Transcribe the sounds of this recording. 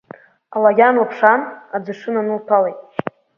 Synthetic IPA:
alaɡʲanlapʰʂanad͡zɨʂɨnanɨltʰalejtʼ

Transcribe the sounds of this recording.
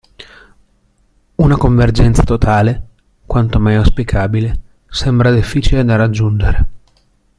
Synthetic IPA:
unakoɱverd͡ʒɛnt̪sḁt̪ot̪ʰaːle | kwant̪omajoaspikʰaːbile | sɛmbɾad̪ifːiːt͡ʃiled̪arad͡ʒːund͡ʒeɾe

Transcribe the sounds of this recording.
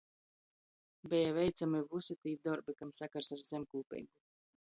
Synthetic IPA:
bʲɛjavɛjt̪samivusit̪iːd̪ɔɾbikamsakaɾsaɾzʲemʲkuːpʲɛ̰jɡu

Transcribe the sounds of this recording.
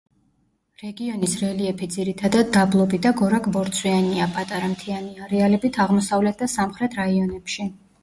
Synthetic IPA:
ɾɛɡiɔnisɾɛliɛpʰid̪ziɾit̪ʰad̪ad̪ːablˠɔbid̪aɡɔɾakʼbɔɾt̪sʰwianiapʼat̪ʼaɾamt̪ʰianiaɾɛalɛbit̪ʰaʁmɔsavlɛt̪̚ʰd̪asamχɾɛt̪ʰɾaiɔnɛpʃi

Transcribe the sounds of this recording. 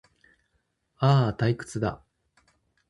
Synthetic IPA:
aːt̪aikɯ̟̥t͡sɨd̪a̰

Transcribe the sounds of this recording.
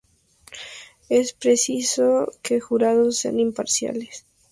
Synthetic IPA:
e̞spɾesisoke̞xuɾaðosːea̰nimpaɾsja̰les

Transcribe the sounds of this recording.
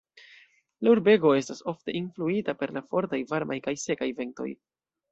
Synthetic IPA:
lauɾbe̞ɡo̞e̞staso̞fte̞ʔinfluitape̞ɾlafo̞ɾtajvaɾmʔajkajse̞kajve̞nto̰j

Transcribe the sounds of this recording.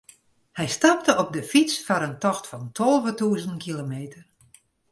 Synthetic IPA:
hɛjstɑp̚təɔp̚dəfit͡sfɔɾəntɔxtfɔntʰolˠvətuːzəntkʰilomeːtʰər

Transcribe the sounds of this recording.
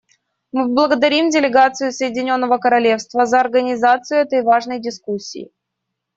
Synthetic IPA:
mɨblˠəɡəd̪ɐɾʲimdʲɪlʲɪɡat̪sɨjʊsəjɪdʲɪnʲo̞nːəvəkəɾɐlʲe̞fst̪vəzəɐrɡənʲɪzat̪sɨjʊɛt̪əjvaʐnəjdʲɪskusʲːḭː

